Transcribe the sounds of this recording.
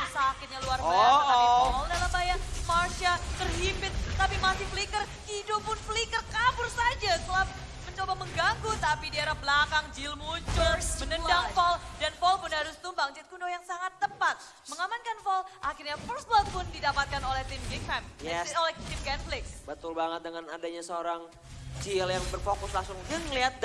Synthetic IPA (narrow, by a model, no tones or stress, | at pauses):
sakɪt̪̚ɲaluarbbaaaafɔldalabajamarʃat̪ərɦipɪt̪̚t̪apimasɪflikərkidopʊnflikərkabʊrsad͡ʒasəla | məɲt͡ʃobaməŋɡaɡut̪apidiaɾahbəlakaŋd͡ʒilmut͡ʃʊlmənədaŋfɔldanfɔlpʊnhaɾʊst̪umbaŋt͡ʃɪt̪̚kundojaŋsaŋat̪ːəpat̪̚ | məŋamankanfɔlʔakɪrɲafɔlsbɔt̪̚pʊndidapat̪̚kanolɛht̪ɪmɡik̚fɛmjɛsolɛt̪ɪmɡɛnflɪksbət̪ʊlbaŋət̪̚dəŋanadaɲasəoɾaŋ | d͡ʒiljaŋbərfokʊslaŋsʊŋd͡ʒəŋliat̪̚